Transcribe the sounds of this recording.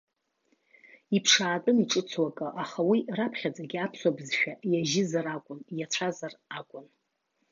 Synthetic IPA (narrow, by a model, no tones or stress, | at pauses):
ipʰʂaːtʼɨniʈ͡ʂʼɨt͡sʰwakʼɨʔaχawirapʰχʲad͡zaɡʲɪapʰswabzʃᶣajaʒɪzaɾakʷʼʊnjat͡ɕʷʰazarakʷʼʊn